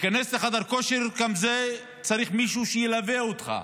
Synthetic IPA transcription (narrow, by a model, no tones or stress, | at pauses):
kanesleχad̪aɾko̞ʃeɾɡamze | t͡saɾiχmiʃuʃejelaveot̪χa̰